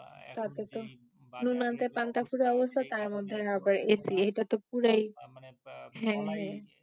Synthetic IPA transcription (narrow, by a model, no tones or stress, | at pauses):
t̪at̪et̪o | nunant̪epant̪afʰuɾiɔbost̪ʰat̪aɾmod̪ʱːeapaɾesiejʈat̪opuɾej | ɦɛ̃ɦɛ̃